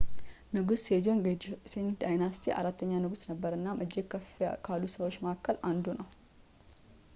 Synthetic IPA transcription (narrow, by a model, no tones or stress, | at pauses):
nɨɡused͡ʒonsent̪d̪ajnast̪ʰiʔa̰ɾat̪ːəɲːanɨɡusnəbːəɾɨnːamʔɨd͡ʒːɪkʰfkʰalːusəwo̞t͡ʃːmakʰːəland̪unəw